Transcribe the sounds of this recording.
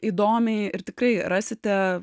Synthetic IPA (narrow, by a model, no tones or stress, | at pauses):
iːd̪oːmʲɛɪɪrt̪ʲɪkɾɐɪrɑːsʲɪt̪ʲɛ